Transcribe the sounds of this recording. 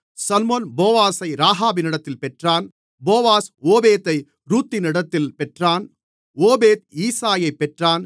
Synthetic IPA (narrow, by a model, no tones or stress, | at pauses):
sɐlmoːnboːʋaːsɐɪɾaːɦaːbɪnɪɽɐt̪ːɪlpɛʈraːn | boːʋaːsoːbeːt̪ɐɪ | ɾuːt̪ːɪnɪɽɐt̪ːɪlpɛʈraːn | oːbeːt̪̚iːsaːjɐɪpːɛʈraːn